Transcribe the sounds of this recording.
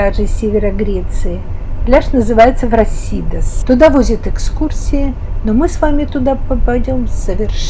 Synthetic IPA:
aʐɨsʲevʲɪɾəɡɾʲet̪sɨɪ | klʲaʂnəzɨvajɪt̪səvɾɐsʲid̪əst̪ʊd̪avozʲɪt̪ɨkskursʲɪɪ | nomɨsvamʲɪt̪ʊd̪apəpɐjdʲo̞msəvʲɪrʂ

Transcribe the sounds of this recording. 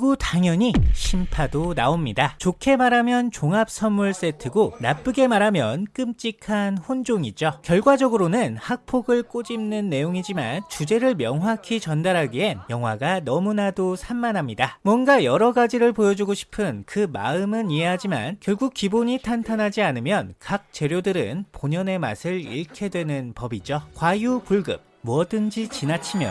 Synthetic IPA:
ɡutaŋjʌɲiɕʰimpʰadona̰omɲidat͡ɕokʰe̞maɾamjʌnt͡ɕoŋap̚s͈ʰʌnmuɭs͈e̞tʰɯɡonap͈ɯɡe̞maɾamjʌnk͈ɯmt͡ɕ͈ikʰanɸond͡ʑoŋid͡ʑokjʌɭɡwad͡ʑʌɡɯɾonɯnhak̚pʰoɡɯɭk͈od͡ʑimnɯnːe̞joŋid͡ʑima̰nt͡ɕud͡ʑe̞ɾɯɭmjʌŋɦwakʰit͡ɕʌndaɾɦaɡie̞njʌŋɦwaɡanʌmunadosʰanmːanɦamɲidamwʌnɡajʌɾʌɡad͡ʑiɾɯɭpojʌd͡ʑuɡoɕʰi̥pʰɯnkɯma̰ɯmɯnieɦad͡ʑima̰nkjʌɭɡuk̚k͈iboɲitʰantʰanɦad͡ʑianɯmjʌnkak̚t͡ɕ͈e̞ɾjodɯɾɯ̰npoɲʌne̞ma̰sʰɯɾḭɭkʰe̞dwe̞nɯnpʌbid͡ʑokwajupuɭɡɯ̰p̚muʌdɯnd͡ʑit͡ɕinat͡ɕʰimjʌ

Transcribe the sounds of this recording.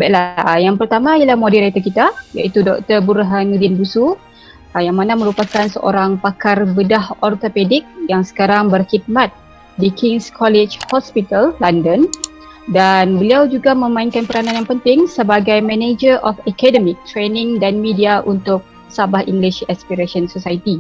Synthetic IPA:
baʔlajaŋpərt̪amãialahmodiɾat̪ərkit̪aja̰ʔit̪udɔk̚t̪ərbuɾɦanudɪnbusu | jaŋmanamə̃ɾupakansəʔo̰ɾaŋpakarbədahɔrt̪opedɪk̚jaŋsə̥kaɾaŋbərhid̪̚mãt̪̚ | dikʰiŋskʰɔlɛt͡ʃhɔspit̪alːandən | danbəliawd͡ʒuɡamə̃mãinkanpəɾanãnjaŋpənt̪ɪŋsəbaɡajmɛ̃ned͡ʒərʔɔfəkɛdəmik̚t̪ɾenɪ̃ŋdanmidiaʔunt̪ʊk̚ | sabahḭŋɡliʃɛspiɾasənsosait̪i

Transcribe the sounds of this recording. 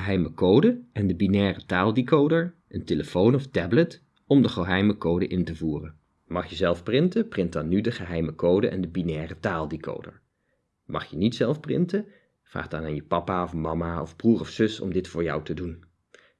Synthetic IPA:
əɦɛjməkowdəʔɛndəbinɛːrətaːlˠdikowdəɹʔəntɪləfownɔftɛblət | ɔmdəχəɦɛjməkowdəʔɪntəvuːrən | mɑχjəzɛlˠfprɪntəprɪnt̚dɑnːydəχəɦɛjməkowdəʔɛndəbinɛːrətaːlˠdiko̰wdə̰ɹ | mɑ̰χjənitsɛlˠfprɪ̰ntə | v̥ra̰ːχdɑnaːnjəpɑpaɔfmɑmaɔ̰vbruːrɔfsɵsɔ̰mdɪtfʊːɹjɑ̰wtədun

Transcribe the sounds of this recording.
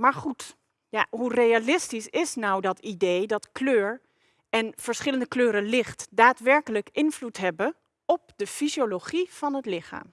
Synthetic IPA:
maːɹχut | jaɦurejalɪstisɪsnɔwdɑtidejdɑtkløːɹ | ɛnv̥əɹsχɪləndəkløːɾəlɪχtdaːtʋɛɹkələkɪnvlutɦɛbə | ɔp̚dəfizjoloχiv̥ɑnɦətlɪχa̰ːm

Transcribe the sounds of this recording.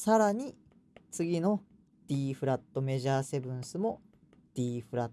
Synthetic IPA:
saɾaɲ̟i | t͡sɨɡʲino̞ | d̪̥ʲiːɸɯ̟ɾat̪ːo̞me̞ʑaːse̞bɯ̟̃ɰ̃sɨmo̞ | d̪̥ʲiːɸɯ̟ɾat̪

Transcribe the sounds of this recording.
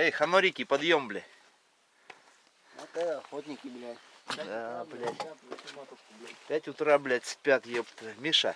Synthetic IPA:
ejxɐnoɾʲikʲipɐd̪jomblʲɪ | at̪aɐxot̪ʲnʲɪkʲɪblʲæt̪ʲ | ablʲæt̪ʲ | bʲpʲætʲʊt̪ɾablʲætʲspʲat̪jopt̪mʲɪʂa̰

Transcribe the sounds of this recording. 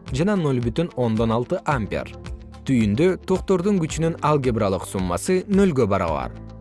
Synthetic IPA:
d͡ʒɑnɑno̞lʲbyt̪yno̞nd̪o̞nɑlˠt̪ɯʔamʲpʲa̰r | t̪ʰyjynd̪ø̞t̪ʰo̞qt̪o̞ɾd̪uŋɡyt͡ʃynynɑlˠɡʲebralˠɯqsumːɑ̰sɯnø̞lɡøbɑɾɑ̰βɑ̰ɾ

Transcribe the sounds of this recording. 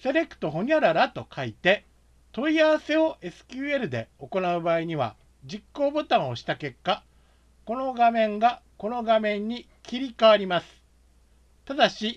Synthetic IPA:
se̞ɾe̞kɯ̟̥t̪o̞ɦo̞ɲ̟aɾaɾat̪o̞kʰait̪e̞ | t̪o̞iaβase̞o̞ʔe̞sɨ̥kʲɨːe̞ɾɯ̟d̪e̞o̞ko̞naɯ̟baːiɲ̟iβ̞a̰ | d͡ʑikːo̞ːbo̞t̪ãɰ̃o̞ɕi̥t̪ake̞kːa | ko̞no̞ɡamẽ̞ŋɡako̞no̞ɡamẽ̞ɲ̟ːi | kʲiɾʲikaβaɾʲimasɨ̥ | t̪ad̪aɕi

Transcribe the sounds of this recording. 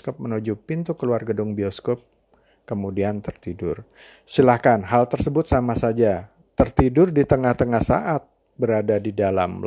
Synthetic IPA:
kɔp̚mənud͡ʒupint̪ukəluarɡədʊŋbiɔskɔp̚ | kəmudiant̪ərt̪idʊr | silahkanɦalt̪ərsəbʊt̪̚samasad͡ʒa | t̪ərt̪idʊrdit̪əŋaht̪əŋahsa̰ʔat̪̚ | bəɾadadidala̰m

